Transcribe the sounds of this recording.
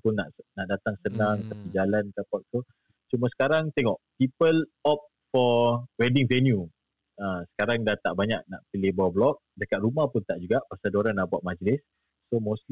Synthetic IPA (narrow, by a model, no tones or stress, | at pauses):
pʊnːaʔnaʔdat̪aŋsənãŋt̪apid͡ʒalankapɔt̪̚fɔ | t͡ʃumasə̥kaɾaŋt̪ɛŋɔʔpipəl | ɔp̚ | fɔwɛdɪŋvɛnju | əsə̥kaɾaŋdat̪aʔbaɲak̚naʔpilebɔwblɔk̚dəkat̪̚ɾumahpʊnt̪aʔd͡ʒuɡaʔpərsəduɾanːaʔbuaʔ̚mãd͡ʒəlɪsː | omosl